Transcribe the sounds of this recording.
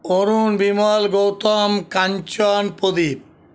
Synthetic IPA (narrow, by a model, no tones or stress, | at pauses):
oɾunbimɔlɡowt̪ɔmkaɲt͡ɕɔnpod̪ip̚